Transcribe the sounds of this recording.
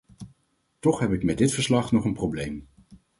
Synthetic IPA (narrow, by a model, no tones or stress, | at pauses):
tɔχɦɛpɪkmɛdɪtfəɹslɑχnɔχənproblejm